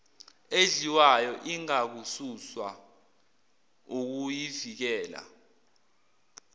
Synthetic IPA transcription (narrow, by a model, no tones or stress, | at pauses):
eziwajɔʔiŋak̬ususwa | uk̬ujivik̬ɛːla̰